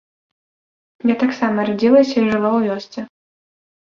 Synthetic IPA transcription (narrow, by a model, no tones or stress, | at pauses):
jat̪aksamɐrad͡zʲilˠɐsʲɐiʐɨvawvʲɔst͡s̪ʲɛ